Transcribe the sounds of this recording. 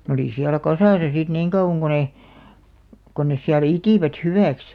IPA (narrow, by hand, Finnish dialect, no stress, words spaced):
n oliˑ siælæ kɑsɑˑsɑ sit niːŋ kɑuw̆ɑŋ ɡ̊o ne kon nes siælæ̆ itiˑʋæt hyʋæˑks